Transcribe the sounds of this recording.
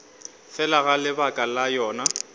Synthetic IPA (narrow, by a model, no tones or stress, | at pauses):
fɛlaɣalɪbakʼalajɔːna